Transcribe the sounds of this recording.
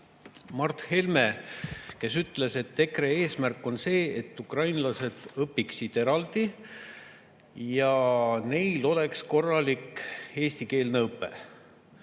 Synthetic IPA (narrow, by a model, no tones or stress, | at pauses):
mɑrt̪he̞lme̞ke̞syt̪ːle̞se̞t̪ːe̞kɾe̞e̞ːsmærkːˑo̞nse̞ːet̪ːukrɑjnlɑse̞d̪̥ɤpːiksit̪e̞ɾɑld̪̥i | jɑne̞jlo̞le̞ksko̞rːɑlike̞ːst̪ike̞ːlneɤpːˑḛ